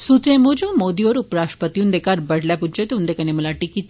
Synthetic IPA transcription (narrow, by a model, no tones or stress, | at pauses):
sut̪ɾẽmod͡ʑũmod̪iʋɔɾupɾaʂʈə̥pət̪ijũnd̪ekʰaɾbəɽ̤ljapud͡ʑet̪eũnd̪ekaneməlaʈikit̪